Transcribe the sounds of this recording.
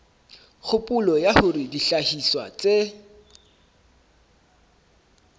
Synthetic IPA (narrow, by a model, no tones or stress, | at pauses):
χʊpʼʊlɔjahʊrɪdiɬahiswa̰t͡sʼe